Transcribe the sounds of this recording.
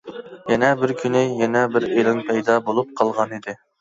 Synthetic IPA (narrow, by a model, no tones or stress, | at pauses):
jɛnɛbɪɾkʲʰynɪjɛnɛbɪɾelɪŋpʰɛjd̪ɑbolˠup̚qʰɑlˠʁɑnid̪ɪ